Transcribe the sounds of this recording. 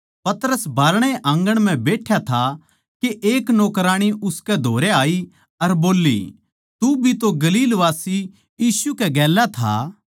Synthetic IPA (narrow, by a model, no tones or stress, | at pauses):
pɐt̪əɾəsbʱaːɾɽ̃eʔãːŋɡəɽ̃m̤ɛ̃beːʈʰjat̪ʰa | keʔeːknoːkɾaːɽ̃iʊskɛd̪ʱoːɾeaːi | ɐɾboːlːḭ | t̪ubʱit̪oɡɐliːlʋaːsi | jiːsukɛɡɛːlat̪ʰa̰ː